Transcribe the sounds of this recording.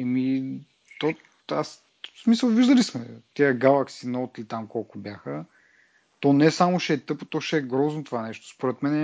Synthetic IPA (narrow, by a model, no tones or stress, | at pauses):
ɛmi | t̪o | as | smisəlˠviʒd̪ɐlismɛt̪iəɡalˠɐksinɔt̪ilit̪amkɔlˠkʊbjaxə | t̪ɔnɛsamoʃɛːt̪ɤpot̪ɔʃɛːɡɾɔznot̪ovanɛʃt̪o̥spoɾɛt̪mɛnɛ